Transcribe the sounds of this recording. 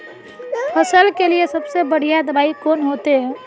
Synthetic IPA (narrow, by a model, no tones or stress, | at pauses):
pʰəsəlkeliesɐbsebəɽ̤ijad̪əbaːikoːnɦoːt̪eɦɛ̃